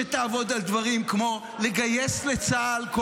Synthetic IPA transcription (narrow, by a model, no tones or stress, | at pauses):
et̪aːvo̞d̪ald̪vaʁimkmo̞ | leɡaje̞slet͡saːlko